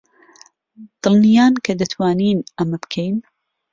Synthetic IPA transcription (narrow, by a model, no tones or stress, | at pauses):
d̪̥ɨlnijaːnkʰɐd̪ɐt̪ʰwaːniːnʔɐmɐbkʰejn